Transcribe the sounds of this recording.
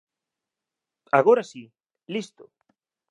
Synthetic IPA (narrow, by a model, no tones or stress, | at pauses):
a̰ɣoɾasi | list̪ʊ